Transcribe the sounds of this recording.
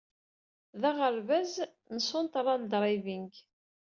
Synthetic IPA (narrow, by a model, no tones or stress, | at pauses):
ðæʁəɾvæz | nəsont̪ɾˤːɑnd̪ɾˤivinɡ